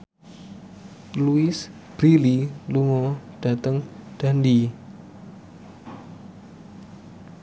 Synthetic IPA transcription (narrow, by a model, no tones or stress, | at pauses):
luɪs | b̥ɾililuŋɔɖ̥a̤t̪əŋɖ̥andi